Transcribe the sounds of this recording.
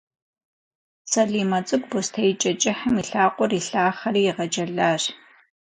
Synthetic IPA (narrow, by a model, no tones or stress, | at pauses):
sɐɮiːmɐt͡sʼɨkʷbostʰɐjt͡ʃʼɐt͡ʃʼɪħɐmiɬaːqʷʼɔriɬaːχɐriːjɪʁɐd͡ʒʼɐɮaːr